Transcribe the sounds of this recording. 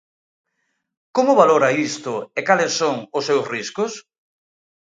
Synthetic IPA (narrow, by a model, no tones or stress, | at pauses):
komʊβaloɾɐist̪ʊekalɪsːoŋʊsːewsriskʊs